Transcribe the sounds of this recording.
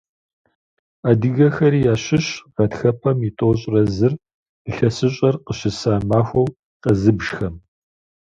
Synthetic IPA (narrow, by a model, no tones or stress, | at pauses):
aːdɨɣɐxɐɾiːjaːɕɪɕʁɐtxɐpʰɐmitʼoːɕ̬ʼrɐzɨr | ɨɬɐsɨɕʼɐrqəɕɪsaːmaːxʷɐw | qɐzɨbʒ̥xɐm